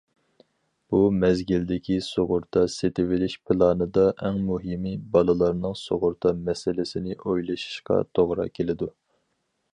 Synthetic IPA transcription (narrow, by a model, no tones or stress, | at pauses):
b̥umɛzɡʲild̪ɪkʲʰisoʁʊɾt̪ʰɑset̪ɪwɪlɪʃpʰɨlˠɑːnɨd̪ɑʔɛŋmuɦimibɑlˠɨlˠɑɾnɨŋsoʁʊɾt̪ʰɑmɛsɪlɪsɪnɪʔojlˠɨʃi̥ʃqɑ̰t̪ʰoʁɾɑ̰kʲʰelɪd̪u